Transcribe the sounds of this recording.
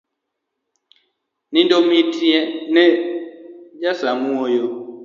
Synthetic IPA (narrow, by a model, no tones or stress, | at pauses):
nĩndomitiɛnɛ | d͡ʒasamuojo